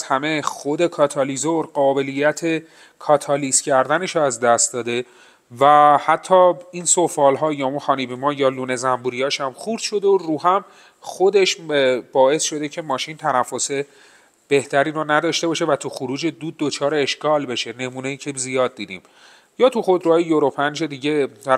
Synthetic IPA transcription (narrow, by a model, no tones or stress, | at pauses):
zhæme̞xod̪e̞kʰɒːt̪ʰɒlizoɾɢɒːbe̞lijːæt̪ʰe̞ | kʰɒːt̪ʰɒliscʰæɾd̪æne̞ʃoæzd̪æst̪d̪ɒːd̪e̞ | væhæt̪ʰːɒːiːnso̞fɒːlɦɒːjɒːunxɒːniːbimɒːjɒːluːne̞zæmbuɾijɒːʃæmxuɾd̪̥ʃo̞d̪eoruːɦæm | xod̪e̞ʃb̥ɒːe̞sʃo̞d̪e̞cʰe̞mɒːʃint̪ʰænæfːo̞se̞ | b̥e̞ht̪ʰæɾiːɾonæd̪ɒːʃt̪e̞bɒːʃe̞væt̪ʰuxuɾuːd͡ʒe̞d̪uːd̪̚ːo̞t͡ʃʰɒːɾeːʃkɒːlbe̞ʃe̞ne̞muːne̞jiːcʰezijɒːd̪̚ːiːd̪iːm | jɒːt̪ʰuxo̞d̪ɾuɒːjejoɾo̞pʰænd͡ʒe̞d̪iːɟe̞d̪æ